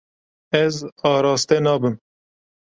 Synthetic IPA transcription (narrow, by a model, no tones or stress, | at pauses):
ɛzɑːɾɑːst̪ɛnɑːbɨm